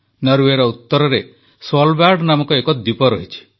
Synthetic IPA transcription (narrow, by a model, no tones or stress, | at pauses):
nʌɾuweɾɔut̪ːɔɾɔɾe | swɔlbaɖnamɔkɔekɔd̪ipɔɾɔɦit͡ʃʰi̥